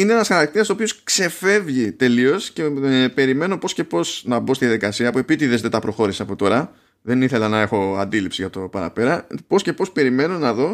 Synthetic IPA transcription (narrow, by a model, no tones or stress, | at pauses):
ineenɐsxɐɾɐkt̪iɾɐsopioskse̞fe̞vʝit̪e̞lio̞sce̞pe̞ɾime̞nopo̞sce̞po̞znɐbo̞st̪iðjɐðikɐsiɐpuepit̪iðe̞zðe̞t̪ɐpɾo̞xo̞ɾiseɐpot̪o̞ɾɐ | ðe̞niθe̞lɐnɐe̞xo̞ɐnd̪ilipsiʝɐt̪o̞pɐɾɐ̰pe̞ɾɐpo̞sce̞po̞spe̞ɾime̞no̞nɐðo̞